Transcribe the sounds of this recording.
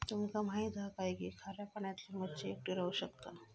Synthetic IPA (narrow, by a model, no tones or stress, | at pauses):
t̪umkamaid̪ʱakajɡikʰaɾjapəɳjat̪limət̪t͡ɕeːk̚ʈiɾauɕəkt̪a